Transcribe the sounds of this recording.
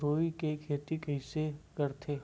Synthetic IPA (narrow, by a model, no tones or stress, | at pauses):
ɾoːikekʰeːt̪ikəɪsekɐɾt̪ʰe